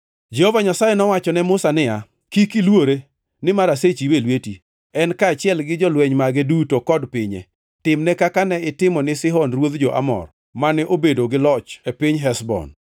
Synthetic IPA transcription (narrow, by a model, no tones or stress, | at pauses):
d͡ʒɛhovaɲasajɛnɔwat͡ʃɔnɛmʊsanɪja | kikɪlwoɾe | nɪmaɾaset͡ʃiwelweti | ɛnkaːt͡ʃɪɛlɡɪd͡ʒɔlwɛɲmaɡedutokɔdpɪɲḛ | tɪmnɛkakanɛɪtɪmɔnɪsɪɦɔnrwod̪d͡ʒɔʔa̰mɔ̰r | manɛʔobedoɡɪlɔt͡ʃepɪɲɦɛsbɔ̰n